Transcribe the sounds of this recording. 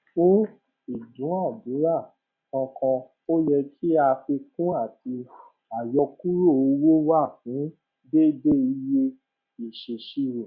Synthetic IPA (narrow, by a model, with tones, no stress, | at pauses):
fũ˦ | i˨dũ˨˦a˦˨bũ˨˦ɾa˦˨ | kɔ̃˧kɔ̃˧ | o˦jɛ˧kʰi˦a˧fe˧kũ˦a˦˨ti˧ | a˨jɔ˧ku˦ɾo˦˨o˧wo˦wa˦˨hũ˨˦ | be˦be˦i˧˦je˦ | i˦˨ʃe˨ʃi˦ɾo˨